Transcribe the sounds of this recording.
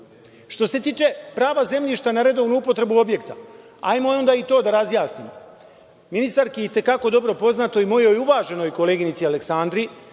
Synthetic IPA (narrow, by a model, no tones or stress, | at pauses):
ʃt̪o̞se̞t̪iːt͡ʃe̞pɾaːʋaze̞mʎʲiʃt̪anaɾe̞d̪o̞ʋnuupo̞t̪ɾe̞buo̞bje̞kt̪a̰ | a̰ːjmoo̞nd̪aːit̪o̞ːd̪aɾazjaːsnimo | minist̪aɾkejet̪e̞kako̞d̪o̞bɾo̞po̞znat̪o̞imo̞jo̞juʋaːʒe̞no̞jko̞le̞ːɡinit̪siale̞ksand̪ɾi